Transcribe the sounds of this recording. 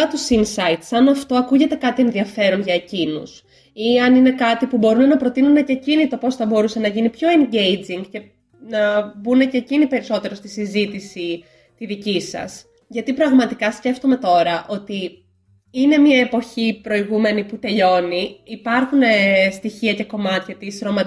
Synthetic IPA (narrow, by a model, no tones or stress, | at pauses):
ɐt̪usinsɐit̪sɐnɐft̪o̞ɐkuʝe̞t̪e̞kɐt̪ie̞nðiɐfe̞ɾo̞nʝɐe̞cinṵs | iɐnine̞kɐt̪ipubo̞ɾune̞nɐpɾo̞t̪inune̞cecinit̪o̞po̞sθɐbo̞ɾuse̞nɐʝinipço̞eɲɟe̞jd͡ziŋɡce̞ | nɐbune̞cecinipe̞ɾiso̞t̪e̞ɾo̞st̪isizit̪isi | t̪iðicisɐ̰s | ʝɐt̪ipɾɐɣmɐt̪ikɐsce̞ft̪o̞me̞t̪o̞ɾɐʔo̞t̪i | ine̞miɐepo̞çipɾo̞iɣume̞niput̪e̞ʎo̞niːpɐɾxune̞st̪içiɐce̞ko̞mɐt̪çɐt̪isɾo̞mɐ